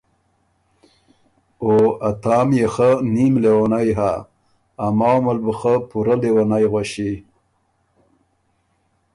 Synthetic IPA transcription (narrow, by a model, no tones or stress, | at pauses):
oat̪ɑːmjexənimlewanajɦaː | mɑwmalbuxəpuɾalewanajɣwaɕi